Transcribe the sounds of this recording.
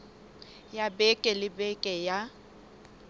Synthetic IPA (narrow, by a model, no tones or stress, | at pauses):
jabɛkʼɛlɪbɛkʼɛja